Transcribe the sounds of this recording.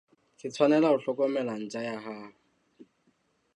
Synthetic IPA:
kʰɪt͡sʰwanɛlaʊɬɔkʼɔmɛlan̩t͡ʃʼajaɦa

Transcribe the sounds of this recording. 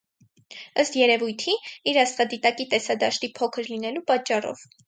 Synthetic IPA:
əst̪jɛɾɛvujt̪ʰiiɾɑst̪χɑd̪it̪ɑkit̪ɛsɑd̪ɑʃt̪ipʰɔkʰəɾlinɛlupɑt͡ʃːɑrɔ̰v

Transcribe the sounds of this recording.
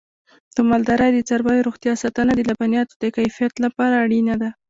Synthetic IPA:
t̪əmald̪aɾajd̪ət͡saɾbɑjoɾoxt̪jɑsɑt̪anad̪əlabanijɑt̪o̥d̪əkajfijat̪lapɑɾaːɽinad̪a

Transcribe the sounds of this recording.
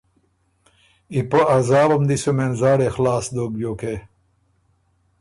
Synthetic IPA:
ipoazaːbɐmd̪isumenzaːɾexlaːsd̪oːbjoːke

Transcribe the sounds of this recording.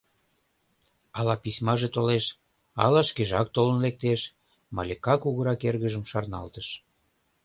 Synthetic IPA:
ɑlɑpisʲmɑʒet̪oleʃ | ɑ̰lɑʃkeʒɑk̚t̪olə̆nlek̚t̪eʃ | mɑ̰lʲekɑkuɣəɾɑkerɣəʒəmʃɑrnɑ̰lt̪əʃ

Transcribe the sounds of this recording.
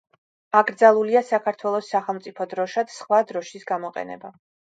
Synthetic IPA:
aɡɾd̪zalˠuliasakʰaɾt̪ʰwɛlˠɔsːaχɛlˠmt̪sʼipʰɔd̪ɾɔʃad̪sχwad̪ɾɔʃisɡamɔqʼɛ̰nɛ̰ba

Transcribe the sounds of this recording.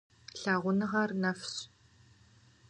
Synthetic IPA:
ɬaːʁʷʊnɨʁɐrnɐfɕ

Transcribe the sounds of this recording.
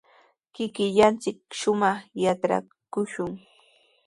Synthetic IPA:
kɪkɪʎant͡sɪk̚ʃʊmɑχjaʈ͡ʂɾa̰ | kʊʃʊŋ

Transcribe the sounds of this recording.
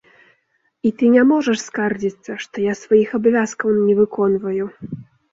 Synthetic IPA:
it̪ɨnʲamɔʐɛʂskard͡zʲit̪sɐʂt̪ɔjasvajixɐbavʲaskɐwnʲɛvɨkɔnvɐju

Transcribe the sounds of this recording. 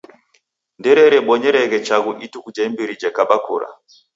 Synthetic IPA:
ndɛɾɛɾɛɓɔɲɛɾɛɣɛt͡ʃaɣuʔitukud͡ʒɛmbiɾid͡ʒɛkaɓakuɾa̰

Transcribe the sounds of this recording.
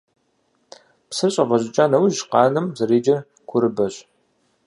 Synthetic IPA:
psɨrɕʼɐvɐʑɪt͡ʃʼaːnɐwʒqɑːnɨmzɐriːd͡ʒɐ | ɡ̥ʷʰʊɾɨbɐɕʼ

